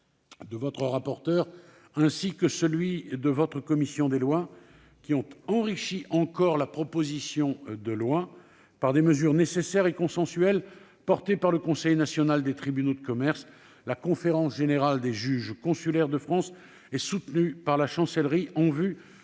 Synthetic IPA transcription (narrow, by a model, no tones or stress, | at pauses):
d̪əvɔt̪χəʁapɔʁt̪œʁ | ɛ̃sikəsəlɥid̪əvɔt̪χəkɔmisjɔ̃d̪elwa | kʲiɔ̃t̪ɑ̃ʁiʃiʔɑ̃kɔʁlapχɔpozisjɔ̃d̪əlwa | paʁd̪eməzyʁnesesɛʁekɔ̃sɑ̃syɛl | pɔʁt̪epaʁləkɔ̃sɛjnasjɔnald̪et̪χibynod̪əkɔmɛʁs | lakɔ̃feʁɑ̃sʒeneʁald̪eʒyʒkɔ̃sylɛʁd̪əfχɑ̃s | ɛsut̪nypaʁlaʃɑ̃sɛlʁiʔɑ̃vy